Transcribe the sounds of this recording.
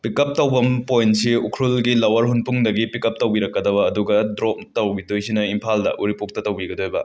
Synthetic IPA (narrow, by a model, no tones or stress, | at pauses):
pikɐp̚tɐwbɐmpojnsiukʰɾulɡilɐwɐɾɦunpuŋdɐɡipikɐp̚tɐwbiɾɐkːɐdɐbɐːduɡɐdɾop̚tɐwɡidojsinɐimpʰaldɐ̰ʔuɾipuk̚tɐtɐwbiɡɐdojbɐ̰